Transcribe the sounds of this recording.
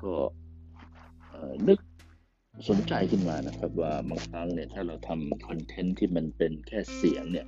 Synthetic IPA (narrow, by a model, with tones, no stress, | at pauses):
kɔː˥˩ | ʔɤː˨˩nɯ˦˥k̚ | so˨˩˦nt͡ɕa˧jkʰɯ˥˩nmaː˧na˦˥kʰɾa˦˥p̚waː˥˧˩baː˧ŋkʰɾa˦˥ŋni˥˩ɐt̪ʰaː˥˩ɾa˧wt̪ʰa˧mkʰɔ˧nt̪ʰe˦˥nt̪ʰiː˥˩ma˧npe˧nkʰɛː˥˩si˨˩˦əŋni˥˩ɐ